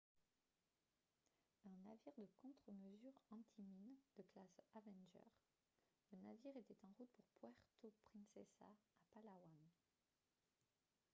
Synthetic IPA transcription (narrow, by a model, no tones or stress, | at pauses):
ɛ̃naviʁd̪əkɔ̃t̪χəməzyʁɑ̃t̪ʰimind̪əklasavɛ̃nʒœ̰ʁ | lənaviʁet̪ɛt̪ɑ̃ʁut̪̚puʁpwɛʁt̪opχɛ̃nsɛsa̰apalawan